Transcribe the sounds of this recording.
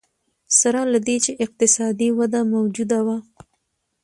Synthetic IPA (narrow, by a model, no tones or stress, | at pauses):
saɾalad̪et͡ʃeʔɪq̚t̪ɪsɑd̪iwad̪amawd͡ʒud̪awa